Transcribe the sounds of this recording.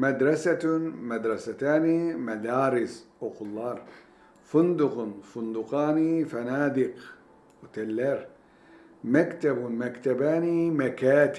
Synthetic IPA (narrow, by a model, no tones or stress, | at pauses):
mad̪ɾˤɑsamad̪ɾˤɑsat̪aːnimad̪aːɾɪsʔʊqʊlːɑːɾˤ | fʊnd̪ʊqnfʊnd̪ʊqɑːnifanaːd̪ɪq | wt̪alːaːɾ | makt̪abmakt̪abaːnimakaːt̪